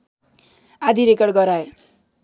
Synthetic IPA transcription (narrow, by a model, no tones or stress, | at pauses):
ad̪ʱiɾekʌɽɡʌɾae